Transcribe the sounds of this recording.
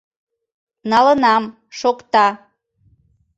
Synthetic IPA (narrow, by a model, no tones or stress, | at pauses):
nɑlənɑm | ʃokt̪ɑ